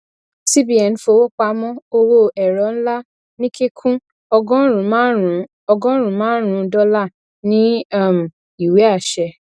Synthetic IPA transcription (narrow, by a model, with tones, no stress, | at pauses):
si˦bi˦ɛ˨n̩˨˦fo˧˨wo˦k͡pa˧˦mɔ̃˦o˧wo˧˨ɛ˨ɾɔ˨˦n̩˦la˦ | nĩ˦ke˦kʰũ˦ | ɔ˧ɡɔ̃˦ɾũ˨˦˨ | ɔ˧ɡɔ̃˦ɾũ˨˦mãː˦n˦ɾ̃ũ˧˦dɔ˦la˦˨ | nĩ˦a˦˨m̩˨ | i˨we˨˦a˦˨ʃɛ˧